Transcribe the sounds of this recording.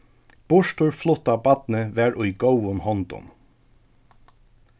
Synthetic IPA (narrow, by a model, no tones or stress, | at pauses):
b̥ʊʃtʊɹflɔt̪ɑːbɑd̪n̩əʋæːɹʔʉʏɡəʊənhɔnd̪ʊ̰m